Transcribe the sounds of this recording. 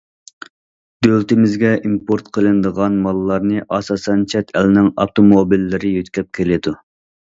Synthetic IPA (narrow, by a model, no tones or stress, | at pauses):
d̪̥ølt̪ɪmɪzɡʲɛimpoɾt̪qʰəlˠɨnd̪əʁɑnmɑlˠːɑɾnɨʔɑsɑsɛnt͡ʃʰɛt̪ʰɛlnɪŋɑ̰ft̪ʰomobilːɪɾɪjøt̪kʲʰɛp̚kʲʰelɪd̪u